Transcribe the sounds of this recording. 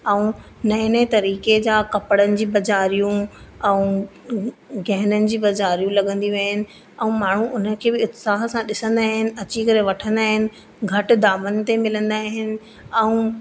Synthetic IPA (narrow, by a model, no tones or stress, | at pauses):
ɛũ | nɐɦnet̪ɐɾiːked͡ʑaːkɐpəɽənɪ̆d͡ʑiːbɐzaːɾijũɛ̃ũ | ɡʱɛɦɪnənɪ̆d͡ʑiːbɐzaːɾijũlɐɠə̃nd̪iʋeɦənɪ̆ | ɛ̃ũmaːɳ̤ũʔʊnəkʰeːbɪʊt̪saːɦsãɗɪsə̃nd̪aːɦɪnɪ̆ɐt͡ɕikɐɾeʋɐʈʰə̃nd̪aːɦɪnɪ̆ | ɡʱɐʈɪ̆d̪aːmənɪ̆t̪emɪlə̃nd̪aːɦɪnɪ̆ | ɛ̃ũ